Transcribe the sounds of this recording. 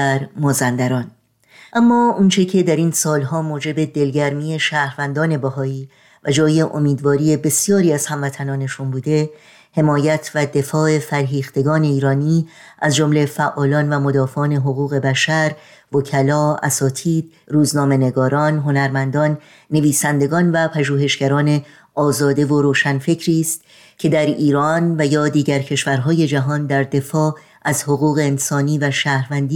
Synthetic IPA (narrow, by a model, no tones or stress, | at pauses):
ɾmɒːzænd̪æɾɒːn | ʔæmːɒːunt͡ʃʰe̞cʰe̞d̪æɾiːnsɒːlɦɒːmoːd͡ʒe̞be̞d̪e̞lɟæɾmiːe̞ʃæːhɾvænd̪ɒːne̞bæɦɒːiː | væd͡ʒɒːje̞ʔomiːd̪vɒːɾiːe̞be̞sijɒːɾiːæz̥hæmvæt̪ʰænɒːne̞ʃunbuːd̪e̞ | he̞mɒːjæt̪ʰvæd̪e̞fɒːe̞fæɾɦiːχt̪e̞ɡɒːne̞iːɾɒːniː | ʔæzd͡ʒo̞mle̞fæʔɒːlɒːnvæmo̞d̪ɒːfeɒːne̞ɦo̞ɣuːɣe̞bæʃæɾ | vocʰælɒːæ̰sɒːt̪ʰiːd̪̥̚ | ɾuːznɒːme̞ne̞ɡɒːɾɒːnɦo̞næɾmænd̪ɒːnː | e̞viːsænd̪e̞ɡɒːnvæpʰæʒuːɦe̞ʃɟ̥æɾɒːne̞ | ʔɒːzɒːd̪e̞vo̞ɾoːʃænfe̞cʰɾiːst̪ | cʰe̞d̪æɾiːɾɒːnvæjɒːd̪iːɟæɾcʰe̞ʃvæɾɦɒːje̞d͡ʒæɦɒːnd̪æɾd̪e̞fɒː | ʔæzhoɣuːɣe̞ːnsɒːniːvæʃæːhɾvænd̪i